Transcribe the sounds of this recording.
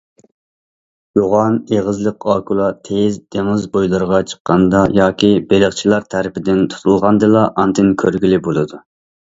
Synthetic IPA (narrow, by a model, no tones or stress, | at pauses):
joʁɑneʁəzlˠəqɑːkʰulˠɑt̪ʰezd̪eŋɨzbojlˠɨɾʁɑt͡ʃʰə̥qːɑnd̪ɑjɑːkʲibelɪχt͡ʃʰilˠɑɾt̪ʰæɾɪpɪd̪ɪnt̪ʰu̥t̪ʰulˠʁɑnd̪ɨlˠɑʔɑnt̪ʰɪnkʲʰøɾɡʲilɪbolˠɨd̪u